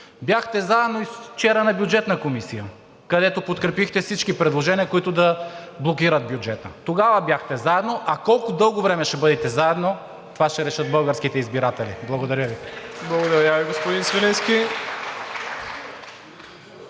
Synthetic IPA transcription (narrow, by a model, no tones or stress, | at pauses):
bjaxt̪ɛzaɛd̪noist͡ʃɛɾənɐbjʊd͡ʒɛt̪nɐkomisijə | kɐd̪ɛt̪opot̪kɾɛpixt̪ɛfsit͡ʃkipɾɛd̪lˠoʒɛniəkoit̪ʊd̪ɐblˠokiɾəd̪̚bjud͡ʒɛt̪ə̰t̪oɡavɐbjaxt̪ɛzaɛd̪noʔɐkɔlˠkʊd̪ɤlˠɡovɾɛmɛʃɛbɤd̪ɛt̪ɛzaɛd̪no | t̪ovaʃt̪ɛɾɛʃɤt̪̚bɤlˠɡəɾskit̪ɛizbiɾat̪ɛlḭblˠɐɡod̪ɐɾʲjəviblˠɐɡod̪ɐɾʲjəviɡospod̪insvɛlinski